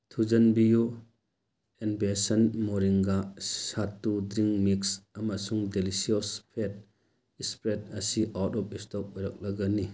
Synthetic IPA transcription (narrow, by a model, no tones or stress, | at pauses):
tʰud͡ʒɐnbiju | enbesanmɔɾiŋɡasatːudɾiŋmiksamasuŋdelisiɔspʰet̚ | ispɾetɐsiʔatɔp̚istɔp̚ɔjɾak̚laɡani